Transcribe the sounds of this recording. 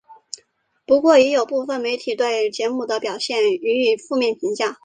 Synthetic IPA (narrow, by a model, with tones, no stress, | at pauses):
pu˧˥kwɔ˥˩jɛ˧˥jo˨˩ʊpu˥˩fə˩nme˧˥ɪt̪ʰi˨˩t̪we˥˩ɪt͡ɕjɛ˧˥mu˨˩d̪ə˦pjɑ˨˩ʊɕjɛ˥˩ny˧˥y˨˩fu˥˧mjɛ˥˩npʰi˧˥ŋt͡ɕja˥˩